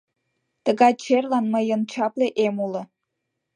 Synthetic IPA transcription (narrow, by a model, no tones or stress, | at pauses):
t̪əɣɑjt͡ɕerlɑnməjənt͡ɕɑpleʔemulə̆